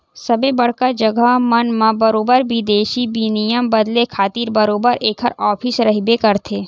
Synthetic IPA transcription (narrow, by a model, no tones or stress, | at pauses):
sɐbebɐɽ̤kad͡ʒɐɡamɐnmãbɐɾoːbəɾbid̪eːʃibinijəmbɐd̪lekʰaːt̪iːɾbɐɾoːbəɾeːkʰəɾɔːpʰɪsɾɐɦbekɐɾt̪ʰeː